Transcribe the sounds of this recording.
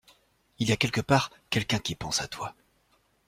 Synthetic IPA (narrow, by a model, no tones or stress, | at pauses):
iljakʲɛlkəpaʁ | kʲɛlkʲɛ̃kʲipɑ̃sat̪wa